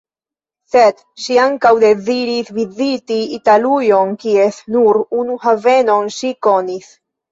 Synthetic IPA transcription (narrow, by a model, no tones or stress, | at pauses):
set̪ | ʃiaŋkawd̪eziɾisvizit̪iːt̪alujonkiesnuɾunuhaveno̞nʃikonis